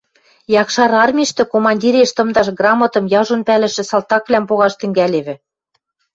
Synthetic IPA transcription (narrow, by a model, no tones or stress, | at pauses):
jɑkʃɑɾɑrmʲiʃt̪ɘ̆komɑnʲdʲiɾeʃt̪ɤ̆md̪ɑʃɡrɑmɑ̆t̪ɤ̆mjɑʒonpælɘ̆ʃɘ̆sɑlt̪ɑkβlʲæmpoɣɑʃt̪ɘ̆ŋɡæleβɘ̆